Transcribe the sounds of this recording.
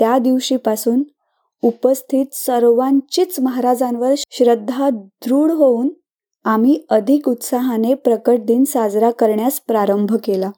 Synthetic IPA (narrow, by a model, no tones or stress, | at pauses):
t̪jad̪iʋɕiːpasuːn | upəst̪ʰiːt̪səɾʋãɲt͡ɕit͡sməɦaɾad͡zãnʋəɾɕɾəd̪ʱːad̪ɾuːɽɦouːn | amiːəd̪ʱikut̪saɦanepɾəkəʈ̚d̪iːnsad͡zɾakəɾɳjaspɾaɾəmbʱkela